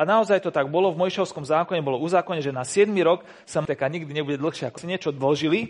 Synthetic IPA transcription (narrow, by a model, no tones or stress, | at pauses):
anaɔzajt̪ɔt̪aɡ̚bɔlɔvmɔjiʃɔʊskɔmzaːkɔɲɛbɔlɔuzaːkɔɲɛʒɛnasɪɛd̪miɾɔk | samt̪ɛkaɲiɡd̪iɲɛbuɟɛd̪l̩xʃɪɛakɔ̥saɲɪɛt͡ʃɔd̪l̩ʒili